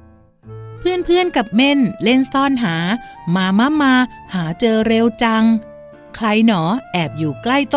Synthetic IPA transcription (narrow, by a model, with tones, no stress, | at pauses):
pʰɯ˥˩ənpʰɯ˥˩ənka˨˩p̚me˥˩nle˥˩nt̪ɔː˧˥nɦaː˩˦maː˧ma˦˧˥maː˧haː˩˦t͡ɕɤː˧ɾe˧wt͡ɕa˧ŋ | kʰla˧jnɔː˩˦ʔɛː˨˩p̚juː˨˩kla˥˩jt̪